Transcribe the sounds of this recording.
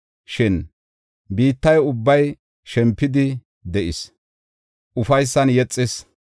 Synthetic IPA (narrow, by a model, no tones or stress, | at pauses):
ʃɪn | biːt̪ːɐjʊbːɐj | ʃɛmpːɪd̪ɪ | d̪ɛʔɪs | ʔʊfɐjsːɐnjɛt͡sʼːɪs